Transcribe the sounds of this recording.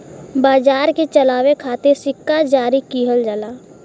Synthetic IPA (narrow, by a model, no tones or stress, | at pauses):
baːd͡ʒaːɾkit͡ʃəlaːwekʰaːt̪eɾsɪkːad͡ʒaːɾikiːɦəld͡ʒalaː